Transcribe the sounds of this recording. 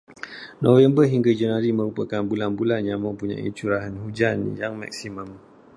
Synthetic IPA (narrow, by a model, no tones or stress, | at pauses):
nɔwəmbəɦiŋɡad͡ʒənaɾimə̃ɾupəkanbulanbulanjaməpuɲa̰ʔḭt͡ʃuɾaɦənhud͡ʒanjaŋma̰k̚siməm